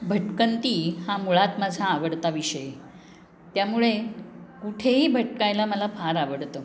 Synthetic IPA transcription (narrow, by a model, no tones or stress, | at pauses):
bʱəʈkənt̪iːhamuɭat̪mad͡zʱaːʋəɽt̪aʋiɕəje | t̪jamuɭekuʈʰeɦiːbʱəʈkajlaməlafaɾaʋəɽt̪ə